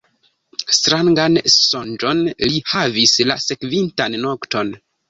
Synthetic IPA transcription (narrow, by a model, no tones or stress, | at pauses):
stɾaŋɡansond͡ʒo̞nlihavisla̰se̞kvintanːo̞kto̞n